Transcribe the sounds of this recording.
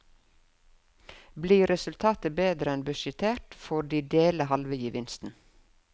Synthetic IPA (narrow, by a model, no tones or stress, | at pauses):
bliːɾɛsʉlt̪ʰɑːt̪əbeːd̪ɾəɛnbʉʃət̪ʰeːʈfɔɖiːd̪eːləhɑlʋəjiːʋɪnst̪n̩